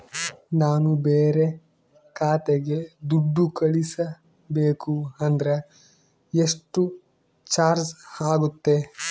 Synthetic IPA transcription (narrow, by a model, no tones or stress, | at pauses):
naːnubeːɾe | kaːt̪eɡe̞d̪uɖːukɐɭisɐ | beːkuɐnd̪ɐɾe | eʂʈu | t͡ʃaːɾd͡ʒaːɡut̪ːe̞